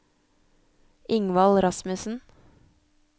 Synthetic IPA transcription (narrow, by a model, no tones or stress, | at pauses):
ʔɪŋʋɑlɾɑsmʉsn̩